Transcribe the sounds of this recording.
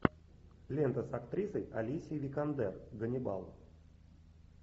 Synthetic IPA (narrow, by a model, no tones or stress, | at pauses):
lʲent̪əsakt̪ɾʲisəjɐlʲisʲivʲɪkand̪ɛrɡənʲɪba̰lˠ